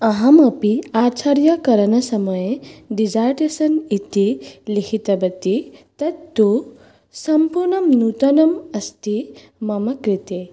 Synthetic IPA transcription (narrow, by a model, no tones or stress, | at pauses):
ɐɦɐmɐpiaːt͡ʃʰaɾjɐkɐɾɐnɐsɐmɐjeɖid͡ʒaːɾʈesɐnit̪ilikʰit̪ɐbɐt̪it̪ɐt̪t̪ːu | sɐmpuɾɳɐmnut̪ɐnɐmɐst̪i | mɐmɐkɾit̪e